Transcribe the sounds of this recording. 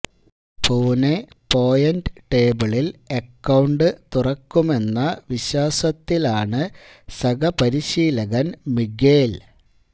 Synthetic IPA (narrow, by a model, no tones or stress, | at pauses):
puːne | po̞ːjɐndʈe̞ːbɐɭilekːɐwɳɖɨt̪urɐkːume̞nːɐʋiɕaːsɐt̪ːilaːɳɨ | sɐɡɐpɐɾiɕiːlɐɣɐnmiɡe̞ːl